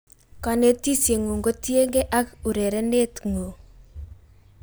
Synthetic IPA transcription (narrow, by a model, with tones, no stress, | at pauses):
kɔ˨ne˦ti˦sje˨ŋu˨ŋɡo˦ti˦e˦ŋɡe˦ʔa˦ku˨ɾe˨ɾɛ˦ne˦tŋo˨